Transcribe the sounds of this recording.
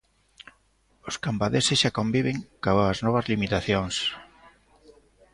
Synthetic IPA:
ʊskambaðesesʃakombiβ̞eŋkaβaznɔβ̞ɐzlimit̪aθjoŋs

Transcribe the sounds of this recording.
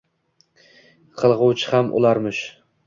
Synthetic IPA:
qʰɨlˠʁʊwt͡ʃʰɪhamʔʊ̰lˠaɾmʊʃ

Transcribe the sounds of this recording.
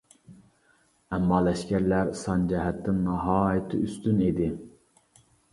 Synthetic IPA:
ɛmːɑːlɛʃkʲæɾlæɾsɑnd͡ʒɛɦɛt̪ʰːɪnnɑɦɑːjɪt̪ʰɪ̰yst̪ynid̪ɪ

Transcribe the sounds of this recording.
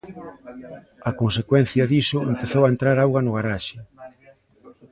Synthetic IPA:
ɐkonsekwɛn̟θjɐðisʊḛmpeθowaent̪ɾaɾawɣɐnʊɣaɾaʃɪ

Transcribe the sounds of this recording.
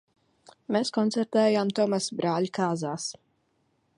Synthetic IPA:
meskɔnt̪sɛɾt̪ɛːjamt̪ɔmasbɾaːlʲkaːzaːs

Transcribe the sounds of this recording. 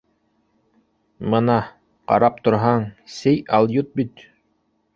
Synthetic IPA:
mɤnɑ | qɑ̰ɾɑp̚t̪ŏɾɦɑɴsɘjɑlˠjut̪̚bit̪

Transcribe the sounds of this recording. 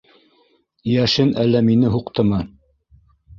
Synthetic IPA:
jæʃɘnælːæminɘɦuqt̪ɤmɤ

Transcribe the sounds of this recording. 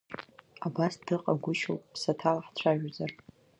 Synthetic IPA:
abasd̥ɨqʼaɡʷʊʃo̰wpʼpʰsatʰalaħt͡ɕʷʰaʒᶣzar

